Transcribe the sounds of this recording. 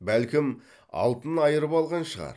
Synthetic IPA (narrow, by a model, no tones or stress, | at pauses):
bælkʲɪm | ɑ̰lˠt̪ənɑjəɾəpɑlˠʁɑnʃəʁɑ̰ɾ